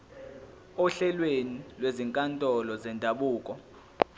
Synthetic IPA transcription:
ɔɬɛlwenilweziŋkʼantʼɔlɔzɛndʱaɓuːkʼɔ

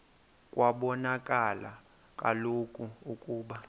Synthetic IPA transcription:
kʼwaɓɔnakʼala̰ | kʼa̰lokʼuukʼuːɓa

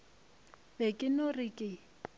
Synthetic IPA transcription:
bekʼɪnorɪkʼɪ

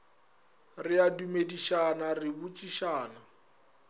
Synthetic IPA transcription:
rɪadumediʃanarɪbut͡ʃʼiʃaːna

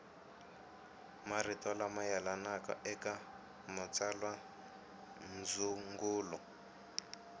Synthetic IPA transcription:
maritɔlamajalanakɔ̰ʔɛka | mat͡salwa | n̩d͡zuŋɡuːlɔ

